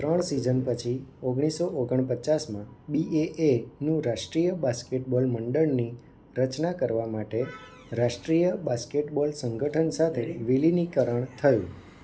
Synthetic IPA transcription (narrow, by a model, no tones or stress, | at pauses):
t̪ɾəɳsizənpət͡ʃʰioɡɽ̃isoʔoɡəɳ̃pət͡ʃasmãbieʔenũɾaʃʈɾijəbaskeʈbɔlməɳɖəɭni | ɾət͡ʃnakəɾʋamaʈe | ɾaʃʈɾijəbaskeʈbɔlsəŋɡəʈʰənsat̪ʰeʋilinikəɾəɳ̃t̪ʰəjṵ̃